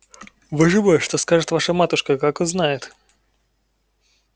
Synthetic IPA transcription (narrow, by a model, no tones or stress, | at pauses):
vɨʐɨbəjʂt̪oskaʐɨt̪vaʂəmat̪ʊʂkəkakoznajɪt̪